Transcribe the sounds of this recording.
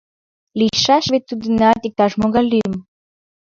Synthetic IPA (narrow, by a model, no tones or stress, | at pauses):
liʃɑʃβet̪ːud̪ənɑt̪ik̚t̪ɑʃmoɣɑlʲːiəm